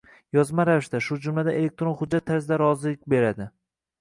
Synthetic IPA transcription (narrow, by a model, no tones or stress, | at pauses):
jɒzmaɾavɪʃt̪aʃʊd͡ʒʊmlad̪aʔelek̚ʲt̪ɾo̞nχʊd͡ʒːat̪ʰːaɾsɪd̪aɾɒzɪlɪk̚ʲbe̞ɾad̪ɪ